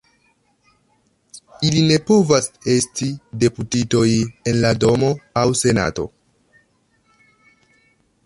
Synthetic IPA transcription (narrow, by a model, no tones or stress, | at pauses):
iline̞po̞vase̞stide̞putito̞je̞nlado̞mo̞awse̞na̰to̞̰